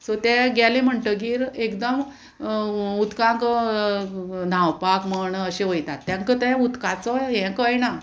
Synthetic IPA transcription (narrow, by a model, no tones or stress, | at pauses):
sot̪ɛ̃ɡɛlẽm̤əɳʈəɡiːɾekd̪əm | ut̪kãŋk | nʱãwpakməɳəɕeɦojt̪at̪ːãŋkət̪ɛ̃ut̪kãt͡sɔɦɛ̃kəjna